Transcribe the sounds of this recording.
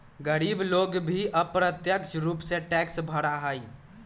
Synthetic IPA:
ɡəɾibloɡbʱiʔəpɾət̪jəkt͡ʃɾupsẽʈɛksbʱəɽaɦəj

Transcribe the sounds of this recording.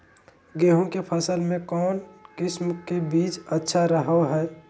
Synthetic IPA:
ɡeːɦõkepʰəsəlmẽkɔːnkɪsmkebiːt͡ʃətːʃʰaɾəɦəɦɛː

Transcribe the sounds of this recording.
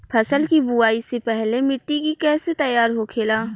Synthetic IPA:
pʰɐsəlkibuaːisepɛɦlemɪʈːikikɛːset̪ɐjːaːɾɦokʰeːlaː

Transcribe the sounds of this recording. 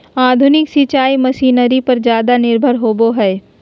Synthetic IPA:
aːd̪ʱʊnɪksɪt͡ʃaːimɐʃiːnəɾipɐɾzjaːd̪anɪɾbʱəɾɦoːboɦɛː

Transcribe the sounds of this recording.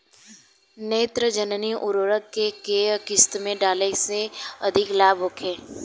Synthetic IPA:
neːt̪ɾəd͡ʒənniʔʊɾoːɾəkːekekɪst̪mẽɖaːleseɐd̪ʱɪklaːbʱɦoːkʰeː

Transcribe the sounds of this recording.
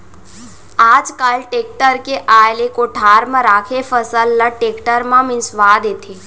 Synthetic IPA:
aːd͡ʒkəlʈeːk̚ʈəɾkeʔaːjlekoʈʰaːɾmãɾaːkʰefʰəsəlːəʈeːkʈəɾmãmɪ̃nsʋaːd̪eːt̪ʰe

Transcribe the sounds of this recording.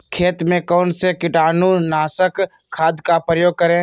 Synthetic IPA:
kʰeːt̪mẽkɔːnsekɪʈaːnunaːsəkʰː | aːd̪kapɾəjoːɡ̚kəɾẽ

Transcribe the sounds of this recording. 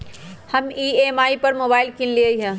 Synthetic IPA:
hɐmiːemaːipɐɾmoːbaːɪlkĩnlieɦɛ̃ː

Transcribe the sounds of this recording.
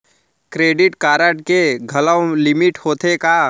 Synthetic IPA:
kɾeːɖɪʈkaːɾəʈkeɡʱɐləwlɪmɪʈhoːt̪ʰeka

